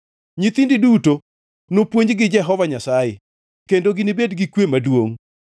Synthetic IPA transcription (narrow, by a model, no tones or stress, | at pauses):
ɲit̪indiduto | nopwoɲd͡ʒɡɪd͡ʒɛɦɔvaɲasaje | kendoɡinibedɡikwemadwoŋ